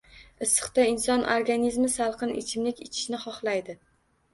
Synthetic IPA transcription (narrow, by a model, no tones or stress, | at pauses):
ɨsːɨ̥qt̪aɪnsɒnʔoɾɡanizmɪsalˠqʰɨnɪ̰t͡ʃʰɪmlɪkʲɪt͡ʃʰɪ̥ʃnɪχɒχlˠajd̪ɪ